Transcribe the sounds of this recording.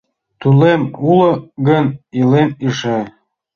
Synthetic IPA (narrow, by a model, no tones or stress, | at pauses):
t̪ulemulə̆ɡənilemiʃe